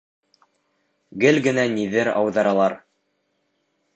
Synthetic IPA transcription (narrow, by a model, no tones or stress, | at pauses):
ɡɘlɡɘ̆næniðɘɾɑ̰wðɑɾɑlˠɑɾ